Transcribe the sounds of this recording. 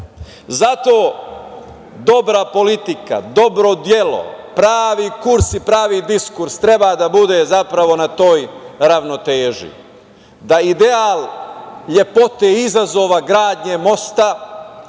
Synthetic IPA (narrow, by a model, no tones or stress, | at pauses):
zat̪o̞ː | d̪o̞bɾapo̞lit̪ika̰d̪o̞bɾo̞d̪je̞lo̞̰pɾaːʋiːkuɾsipɾaːʋiːd̪iskuɾst̪ɾe̞baːd̪abud̪e̞ːzapɾaʋo̞nat̪o̞ːjɾaʋno̞t̪eːʒḭ | d̪aid̪eaːlʎe̞po̞t̪eizazo̞ːʋaɡɾaːd̪ɲemo̞st̪a